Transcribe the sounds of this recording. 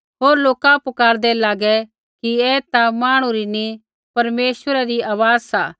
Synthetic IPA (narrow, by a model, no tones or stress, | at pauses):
ɦoːɾloːkãpʊkaːɾd̪ɛlaːɡɛ | kiɛːt̪amaːɽ̃ũɾini | pɐɾmeːsʋəɾɛɾiaːʋaːzsa̰ː